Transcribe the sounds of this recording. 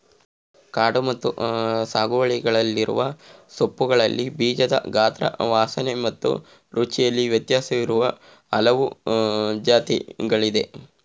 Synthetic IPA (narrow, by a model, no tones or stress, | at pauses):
kaːɽumɐt̪ːusaːɡuʋɐɭiɡɐɭɐlːiɾṵʋɐsopːuɡɐɭɐlːibiːd͡ʒɐd̪ɐ̰ɡaːt̪ɾɐ̰ʋaːsɐnemɐt̪ːṵ | ɾut͡ʃijɐlːiʋjɐt̪jaːsɐʋiɾuʋɐ | ɐlɐʋu | d͡ʒaːt̪ḭɡɐɭid̪e̞